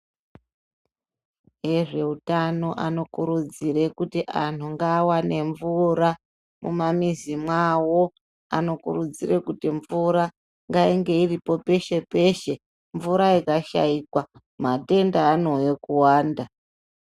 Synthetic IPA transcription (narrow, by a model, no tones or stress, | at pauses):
e̞ʐe̞utano̞ʔa̰no̞kuɾud͡ziɾe̞kutiʔan̤uŋɡawane̞ɱvuɾa | mṵmamizimwawo̞ | a̰no̞kurud͡zirekutiɱvuɾa | ŋɡaiŋɡe̞iripo̞pe̞ʃe̞pe̞ʃe̞ | ɱvuɾaikaʃa̰ikwa | mate̞ndaːno̞jokuwaːnda